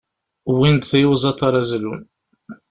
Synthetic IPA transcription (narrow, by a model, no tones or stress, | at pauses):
wind̪θjuwzˤɑt̪ˤːɑɾˤæzlun